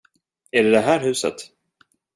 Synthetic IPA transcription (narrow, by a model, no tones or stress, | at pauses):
æɖɛd̪ɛɦæːɾɦʉ̟ːsə̰t̪